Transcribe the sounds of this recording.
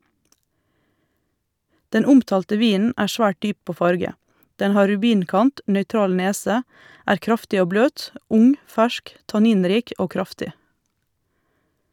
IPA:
ˈdɛn ˈʊmtɑːltə ˈʋiːnn̩ ˈæːɾ ˈsʋæːʈ ˈdyː ˈpoː ˈfɑɾɡə ˈdɛn ˈhɑː ɾʉˈbiːnˌkɑnt nœʏˈtɾɑːl ˈneːsə ˈæːɾ ˈkɾɑftɪ ˈoː ˈbløːt ˈʊŋ ˈfæʃk tɑˈniːnˌɾiːk ˈoː ˈkɾɑftɪ

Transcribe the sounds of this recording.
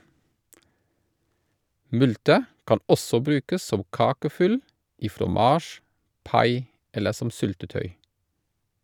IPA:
ˈmʉltə ˈkɑn ˈɔsɔ ˈbɾʉːkəs ˈsɔm ˈkɑːkəˌfʏl ˈiː fɾɔˈmɑːʃ ˈpɑɪ ˈɛlə ˈsɔm ˈsʏltəˌtœʏ

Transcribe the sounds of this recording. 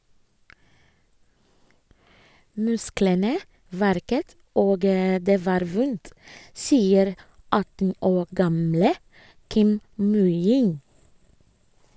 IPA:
ˈmʉsklənə ˈʋæɾkət ˈoːɡ ə ˈdeː ˈʋɑːɾ ˈʋʊnt ˈsiːəɾ ˈɑtn̩ ˈoː ˈɡɑmlə ˈkɪm ˈmʉjɪn

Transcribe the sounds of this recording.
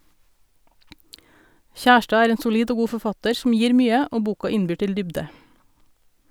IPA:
ˈçæʃʈɑː ˈæːɾ ˈeːn sʊˈliːɖ ˈoː ˈɡuː fɔˈfɑtəɾ sm̩ ˈjiːɾ ˈmyːə ˈoː ˈbuːkɑ ˈɪnbyː ˈʈɪl ˈdʏbɖə

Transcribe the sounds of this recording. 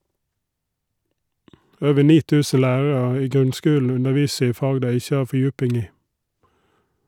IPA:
ˈøːʋə ˈɳiː ˈtʉːsə ˈlæːɹɹ̩ɑ ˈiː ˈɡʁʉnˌskʉːln̩ ˈʉnəˌʋiːsə ˈiː ˈfɑːɡ ˈdæɪ ˈɪçə ˈɑː fɔˈjʉːpɪŋ ˈiː

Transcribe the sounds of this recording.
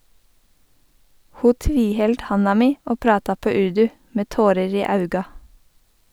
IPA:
ˈhuː ˈtʋiːˌhɛld ˈhɑnɑ ˈmiː ˈoː ˈpɾɑːtɑ ˈpøː ˈʉɹdʉ ˈmeː ˈtoːɾəɹ ˈiː ˈɑʉɡɑ

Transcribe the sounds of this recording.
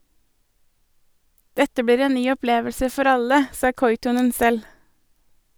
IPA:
ˈdɛtə ˈbiːɾ ˈeːn ˈnyː ɔˈpleːʋəlsə ˈfɔɾ ˈɑlə ˈsɑː ˈkɔʏtɔnən ˈsɛl

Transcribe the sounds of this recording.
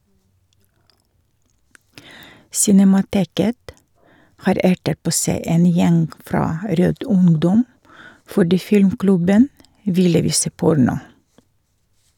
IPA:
sɪnɛmɑˈteːkət ˈhɑːɾ ˈæʈət ˈpoː ˈsæɪ ˈeːn ˈjɛŋɡ ˈfɾɑː ˈɾøːd ˈʊŋdɔm fɔˈɖiː ˈfɪlmˌklʉbən ˈʋɪlə ˈʋiːsə ˈpʊɾnʊ

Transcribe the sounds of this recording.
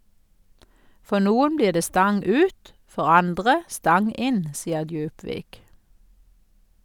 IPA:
ˈfɔ ˈnuːʊn ˈbliːʁ ˈdeː ˈstɑŋ ˈʉːt ˈfɔʁ ˈɑndʁə ˈstɑŋ ˈɪn ˈsiːə ˈdjʉːpʋiːk

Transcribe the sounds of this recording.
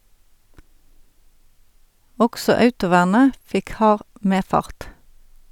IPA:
ˈɔɡsɔ ˈœʉtʊˌʋæːʁnə ˈfɪk ˈhɑːʁ ˈmeːˌfɑʁt

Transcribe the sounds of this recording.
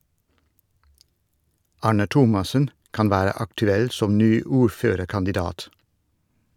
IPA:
ˈɑːɳə ˈtʊmɑsən ˈkɑn ˈʋæːɾə ɑktʉˈɛl ˈsɔm ˈnyː ˈuːɾˌføːɾəɾkɑndɪˌdɑːt

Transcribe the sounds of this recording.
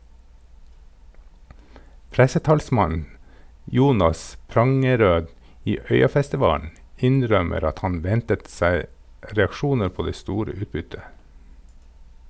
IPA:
ˈpɾæsəˌtɑːlsmɑn ˈjuːnɑs ˈpɾɑŋəˌɾøː ˈiː ˈœʏɑfæstɪˌʋɑːn̩ ˈɪnˌɾœməɾ ˈɑt ˈhɑn ˈʋɛntət ˈsæɪ ɾɛɑkˈʃuːnə ˈpoː ˈdeː ˈstuːɾə ˈʉːtˌbʏtə

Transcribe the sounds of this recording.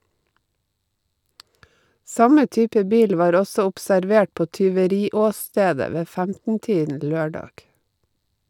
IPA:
ˈsɑmə ˈtyːpə ˈbiːl ˈʋɑːɾ ˈɔsɔ ʊpsæɾˈʋeːʈ ˈpoː tʏʋəˈɾiːɔˌsteːdə ˈʋeː ˈfæmtn̩ ˈtiːdn̩ ˈløːɖɑɡ

